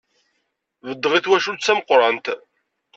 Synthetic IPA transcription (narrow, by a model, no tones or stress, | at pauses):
vəd̪ːʁiθwæʃut͡sːæməqːɾˤɑnt̪